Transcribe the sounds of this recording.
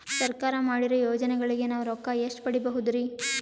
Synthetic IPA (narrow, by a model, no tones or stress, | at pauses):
sɐɾkaːɾɐmaːɽiɾɐjoːd͡ʒɐnɛɡɐɭiɡe̞naːʋɾɔkːɐjeʂʈpɐɽibɐɦud̪ɾi